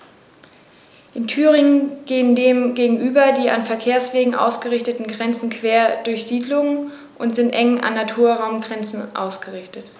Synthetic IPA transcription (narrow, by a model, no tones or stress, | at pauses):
ʔɪntʰyːʁɪŋənɡ̥eːəndeːmɡeːɡŋ̩ʔyːbɐdiːʔa̰nfɛɐkʰeːɐsv̥eːɡŋ̩ʔa̰ʊsɡ̥əʁɪçtətn̩ɡʁɛnt͡sn̩kʰv̥eːɐdʊɐçz̥iːdlʊŋən | ʔʊntz̥ɪntʔɛŋənʔa̰nːatʰuːɐʁaʊmɡʁɛnt͡sn̩ʔa̰ʊsɡ̥əʁɪçtət